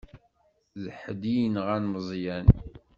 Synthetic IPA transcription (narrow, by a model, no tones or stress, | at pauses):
zəħəd̪ijənʁænməzˤjæn